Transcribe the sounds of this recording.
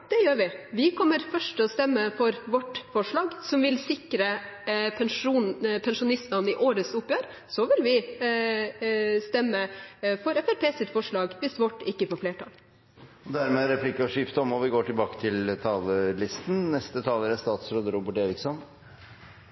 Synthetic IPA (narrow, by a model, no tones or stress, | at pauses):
d̪̥ɛjøːɾʋɪʋɪkʰɔmːəɾfœʂʈɔst̪ɛmːəfɔɾʋɔʈːfɔʂɭɑːɡsɔmʋɪlsɪkɾəpʰɛnʂuːnpʰɛnʂʊnɪsmɑnɪʔoːɾəsʊpːjøːɾ | sɔʋɪlʋɪ | st̪ɛmːəfɔɾɛfæɾpʰeːsɪt̪fɔʂɭɑːɡʋɪsʋɔʈːɪkːəfɔɾfleːʈʰɑ̰ːl | ɔd̪æɾmeːɾɛpʰlɪkːɑʂɪpt̪ɔmɔʋɪɡoːʈɪlbɑːkə̥t̪ʰɪlt̪ʰɑːləlɪst̪nnɛst̪ət̪ʰɑːləɾæst̪ɑːt̪sɾoːd̪əɾuːbəʈeːɾɪksɔn